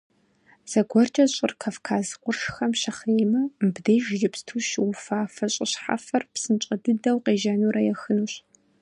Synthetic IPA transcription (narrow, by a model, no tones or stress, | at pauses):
z̥ɐɡʷɔrt͡ʃʼɐɕʼɪrkʰaːfkʰaːzqʷʊrʂxɐmʃɐχeːjmɐbdejʒjɪpstʰuʃwʊfaːfɐɕʼɪɕħa̰fɐrpsɨnt͡ʃʼɐdɨdɐwqeːʒɐnuːɾɐjɛxɨnuːɕ